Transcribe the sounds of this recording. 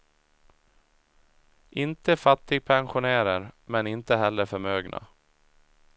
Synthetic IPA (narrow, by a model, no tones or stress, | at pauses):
ʔɪnt̪əfat̪ːɪɡ̚pʰɛnɧʊnæːɾəɾmɛnɪnt̪əɦɛlːəɾfœɾmøːɡnʔa̰